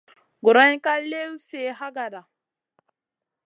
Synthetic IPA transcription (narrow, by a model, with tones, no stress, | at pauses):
ɡu˨ɾa˦ɲ˦ka˦le˦wse˦˨ɦa˦ɡa˨da˨